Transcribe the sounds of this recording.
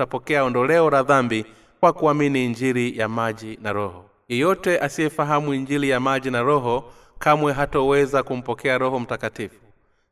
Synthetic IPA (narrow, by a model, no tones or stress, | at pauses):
apɔkɛaɔndɔlɛɔɾaðambi | kwakuaminiːɲd͡ʒiɾijamaʄinaɾɔhɔ | jɛjɔtɛʔasiɛfaɦamuiɲd͡ʒiɾijamaʄinaɾɔɦɔ | kamwɛɦatɔwɛzakum̩pɔkɛaɾɔhɔm̩takatifu